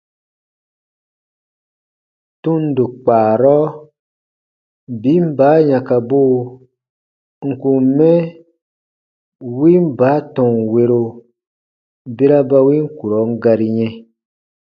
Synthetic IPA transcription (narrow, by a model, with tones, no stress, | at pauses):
tũ˦n˨du˨k͡paː˨ɾɔ˦ | bi˨˦m̩˦baː˨˦ɲã˨ka˨bo˦˨ | ŋ̩˨ku˨˦mɛ˦ | wi˦m̩˦baː˨˦tɔ̃˨ŋ˨we˧ɾo˧ | be˦ɾa˦ba˧wi˦ŋ̩˦ku˨ɾɔ˨˦ŋ̩˦ɡa˧ɾi˧ɲɛ̃˧